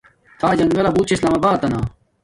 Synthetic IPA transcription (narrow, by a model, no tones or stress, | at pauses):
t̪ʰaːd͡ʑɐ̃ŋɡɐlabuːt̪t͡ɕʰislaːmabaːt̪ːɐnaː